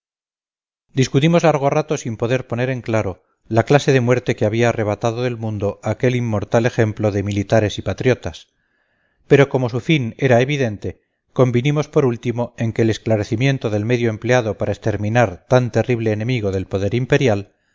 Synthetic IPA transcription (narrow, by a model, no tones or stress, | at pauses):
d̪iskut̪imo̞zlaɾɣ̞o̞rat̪o̞simpo̞ðe̞ɾpo̞ne̞ɾe̞ŋklaɾo̞ | laklase̞ðe̞mwe̞ɾt̪e̞keaβiaːre̞βat̪aðoðe̞lmũnd̪o̞ake̞limːo̞ɾt̪ale̞xe̞mplo̞ðe̞milit̪aɾe̞sipat̪ɾjo̞t̪as | pe̞ɾo̞ko̞mo̞sufine̞ɾaeβiðe̞nt̪e̞ | ko̞mbinimo̞spo̞ɾult̪imo̞e̞ŋke̞ːle̞sklaɾe̞θimje̞nt̪o̞ðe̞lme̞ðjo̞emple̞aðo̞paɾʔaest̪e̞ɾmĩnaɾt̪ant̪e̞riβle̞ːne̞miɣ̞o̞ðe̞lpo̞ðe̞ɾimpe̞ɾjal